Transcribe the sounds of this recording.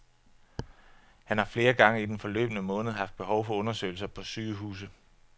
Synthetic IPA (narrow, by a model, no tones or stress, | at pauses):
hænhɑ̈fle̝ːɐɡ̥ɑ̈ŋəid̥enfɒ̽lø̰ːb̥ənəmɔ̽ːnð̩ˠɦɑ̈fd̥̚b̥e̝ɦɒʊfɒ̽ɔ̽nɐsø̰ɪl̩sɐpʰɒ̽syːɦṵːs̬ð̩ˠ